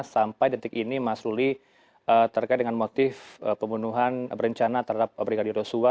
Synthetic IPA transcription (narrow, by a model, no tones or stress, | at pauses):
sampajdit̪ɪkinimasɾuli | ʔət̪ərkajt̪̚dəŋanmot̪ɪfəpəmbunuɦanbəɾəɲt͡ʃanat̪əɾɦadap̚bɾiɡadɪrjosua